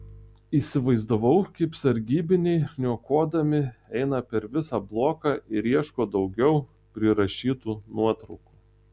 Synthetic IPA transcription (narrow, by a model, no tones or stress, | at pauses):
iːsʲɪʋɐɪzd̪ɐʋɐʊkɐɪpsɐɾʲɡʲiːbʲɪnʲɛɪnʲuɔkoːd̪ɐmʲɪɛɪnɐpʲɛɾʋʲɪsɑblˠoːkɑʔɪɾiɛʃkoːd̪ɒʊɡʲɛʊ | pʲɾʲɪɾɐʃʲiːt̪uːnuɔt̪ɾɒʊku̥ː